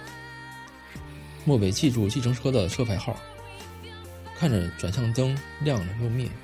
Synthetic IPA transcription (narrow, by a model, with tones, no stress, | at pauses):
mwɔ˥˩pe˨˩ɪt͡ɕʰi˥˧ʈ͡ʂu˥˧t͡ɕi˥˩ʈ͡ʂʰɤ˧˥ŋʈ͡ʂʰɤ˥d̪ə˨ʂʰɤ˥pʰa˧˥ɪxɑ˥˩ʊ | kʰa˥˩nʈ͡ʂə˨˩ʈ͡ʂwa˨˩nɕjɑ˥˩ŋt̪ɤ˥ŋljɑ˥˩ŋɻə˧˥jo˥˧mjɛ̰˥˩n